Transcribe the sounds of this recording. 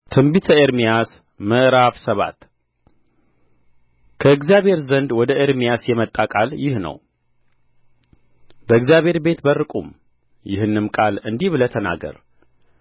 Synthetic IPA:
t̪ʰɨmbit̪ʰəeɾmijas | məʔɾaβsəβa̰t̪ | kʰəɨɡzijaβʱe̞ɾzənd̪wɔd̪əʔeɾmijasjɛmət̪ʼːakʼaljɪhnə̰w | b̥əɨɡzjaβʱe̞ɾbe̞t̪bərːɨkʼum | jɪhɨnːɨmkʼalɨnd̪iβɨlət̪ʰəna̰ɡə̰ɾ

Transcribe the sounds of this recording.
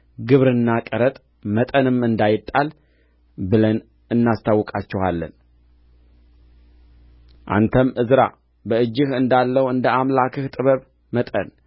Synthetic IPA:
ɡɨβɾɨnːakʼəɾət̪ʼ | mət̪ʼənɨmɨnd̪ajɪt̪ʼːal | bɨlən | ɨnːast̪ʰawːɨkʼat͡ʃːɛhalːə̰n | ʔa̰nt̪ʰəmʔɨzɾa̰ | bəɨd͡ʒːɪhɨnd̪alːəwɨnd̪əamlakʰɨht̪ʼɨβəβ | mət̪ʼə̰n

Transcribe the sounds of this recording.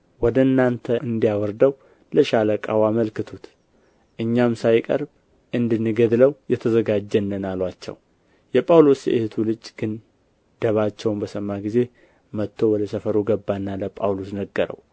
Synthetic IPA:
wɔd̪əɨnːant̪ʰəʔɨnd̪ijawɔɾd̪əw | ləʃaləkʼa̰waməlkɨt̪ʰut̪ | ʔɨɲːamsajkʼə̰ɾb | ʔɨnd̪ɨnːɨɡəd̪ləwjɛt̪ʰəzəɡad͡ʒːənːɨnalwat͡ʃːɛ̰w | jɛpʼawlo̞sjɛ̰ʔɪht̪ʰulɨd͡ʒʼɡ̥ɨn | d̪̥əβat͡ʃːɛwmbəsəmːaɡize̞ | mət̪ʰːo̞wɔd̪əsəfəɾuɡəbːanːaləpʼawlo̞snəɡːəɾə̰w

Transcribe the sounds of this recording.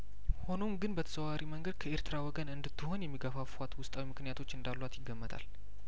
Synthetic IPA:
ho̞no̞mɡɨnbət̪ʰə̥səwaɾiməŋɡəd̪̚kʰəe̞ɾt̪ʰɨɾawɔɡənɨnd̪ɨt̪ːɨho̞njɛmːiɡəfafat̪wʊst̪ʼawimɨknɨjat̪ʰo̞t͡ʃːɨnd̪alːwat̪jɪɡːəmːət̪ʰa̰l

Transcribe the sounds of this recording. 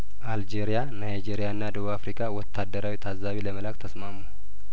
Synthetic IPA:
ʔald͡ʒeɾijanajd͡ʒeɾijaɨnːad̪əβuβafɾikʰʼawɔt̪ʰːad̪ːəɾawit̪ʰazaβiləməlakt̪ʰəsmamu

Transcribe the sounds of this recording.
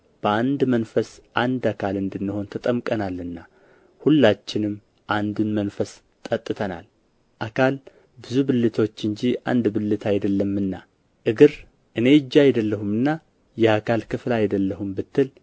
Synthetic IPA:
b̥əand̪mənfəsʔand̪akʰalɨnd̪ɨnːɨho̞nt̪ʰət̪ʼəmkʼənalːɨnːa | hulːat͡ʃːɪnɨmː | ʔand̪unmənfəs | t̪ʼːət̪ʼːɨt̪ʰəna̰l | ʔakʰal | bɨzubɨlːɨt̪ʰo̞t͡ʃːɨɲd͡ʒia̰nd̪bɨlːɨt̪ʰajd̪əlːəmːɨnːa̰ | ʔɨɡɨɾ | ʔɨne̞ɨd͡ʒːaajd̪əlːəhumɨnːa | jɛakʰalkʰɨflajd̪əlːəhumbɨt̪ːɨl

